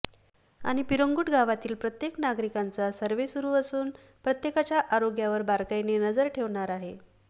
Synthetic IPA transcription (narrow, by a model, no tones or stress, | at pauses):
a̰ɽ̃ipiɾoŋɡuːʈɡaʋat̪iːlpɾət̪jeknaɡɾikant͡sasəɾʋesuɾuːəsuːn | pɾət̪jekat͡ɕjaʔaɾoɡjaʋəɾbaɾkajnenəd͡zəɾʈʰeʋɳaɾaɦe